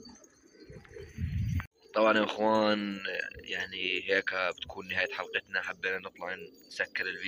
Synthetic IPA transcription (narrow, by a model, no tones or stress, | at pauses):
t̪ˤɑbʕɑnjaʔɪxwaːnjaʕniheːkabɪt̪ḁkʰuːnːɪhaːjat̪ħɑlqɨt̪naħabːeːnanɨt̪ˤlɑʕn | sakːɪɾɪlv